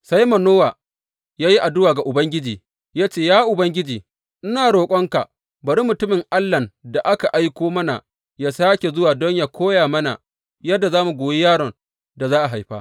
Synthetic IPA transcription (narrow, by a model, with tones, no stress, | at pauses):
sa˦jmɐ˨noː˦waː˨ | jaː˦ji˦ʔa˨dʊ˦waː˨ɡa˨ʔʊ˨bɐ˦ŋɡʲɪ˦d͡ʒiː˨ | jaː˦t͡ʃeː˦˨jaː˦ʔʊ˨bɐ˦ŋɡʲɪ˦d͡ʒiː˨ | ʔɪ˦naː˨ɽoː˨kʷʼɔ˦ŋka˨ | bɐ˨ɾi˦mʊ˨tʊ˦mɪ˨ŋʔa˦lːɐ˨da˨ʔa˦ka˨ʔa˦jkʷoː˦mɐ˦na̰˨ | jaː˦saː˦kʲe˨zʊ˦waː˨dɔ˦ɲjaː˦kʰʷoː˦jaː˨mɐ˦na̰˨ | jɐ˦dːa˨zaː˦mu˨ɡʷoː˨je˦jaː˦ɽɔ˨n | da˨zaː˦ʔa˨ɦa˨jɸaː˦